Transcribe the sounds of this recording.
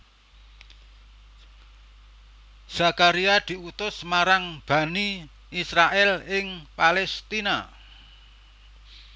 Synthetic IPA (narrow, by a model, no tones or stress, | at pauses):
z̥a̤kaɾiad̪̥i̤ut̪ʊsmaɾaŋb̥a̤ni | isɾaʔɛlɪŋpalɛst̪ina̰